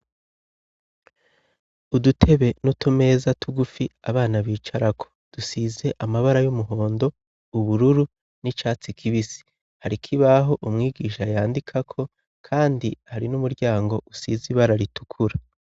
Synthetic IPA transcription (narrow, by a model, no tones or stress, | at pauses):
udutʰe̞βe̞nutume̞ːzatuɡufiaβaːnaβiːt͡ʃaɾakʰo̥d̥usize̞ʔamaβaɾajumuɦo̞ːndo̞ | uβuɾuɾu | nit͡ʃaːt͡sikʰiβisi̥ | haɾikʰiβaɦo̞ʔumŋiːɡiːʃajaːndikʰakʰo̞ | kʰaːndihaɾinumuɾɟaːŋɡo̞ʔusiziβaɾaɾitu̥kʰuɾa